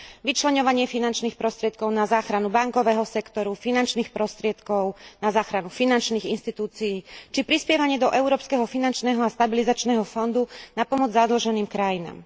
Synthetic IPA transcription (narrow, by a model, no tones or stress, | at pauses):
ʋit͡ʃlɛɲɔʋaɲɪɛfinant͡ʃniːxpɾɔst̪ɾɪɛt̪kɔʊnazaːxɾanubaŋkɔʋɛːɦɔsɛkt̪ɔɾufinant͡ʃniːxpɾɔst̪ɾɪɛt̪kɔʊnazaːxɾanufinant͡ʃniːɣinʃt̪it̪uːt͡sijiːt͡ʃipɾispɪɛʋaɲɪɛd̪ɔʔɛʊɾɔːpskɛɦɔfinant͡ʃnɛːɦɔast̪abilizat͡ʃnɛːɦɔfɔnd̪unapɔmɔd͡zzad̪l̩ʒɛniːmkɾajina̰ːm